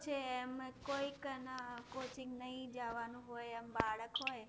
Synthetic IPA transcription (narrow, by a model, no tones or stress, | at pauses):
t͡ʃʰeɛmkoːiknəkoːt͡ʃɪ̃ŋɡnəɦĩd͡ʒaʋanũɦojɛmbaːɭəkɦoːj